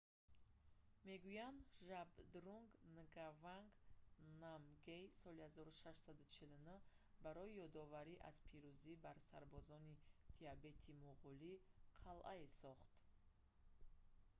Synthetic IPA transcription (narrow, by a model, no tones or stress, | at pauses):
me̞ɡujand̪ʒabd̪ɾuŋɡnəɡavaŋɡnamɡejsɔlihazɔɾuʃaʃsad̪ut͡ʃʰilunu | baɾɔijɔd̪ɔvaɾiʔa̰z̥pʰiɾuzibaɾsa̰ɾbɔzɔnit̪ʰiabe̞t̪ʰimuʁuliqʰalʔaesɔχt̪